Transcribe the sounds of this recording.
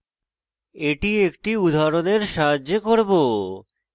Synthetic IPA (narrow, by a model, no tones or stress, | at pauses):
eʈiekʈiud̪ʱaɾoneɾʃaɦad͡ʑekoɾbo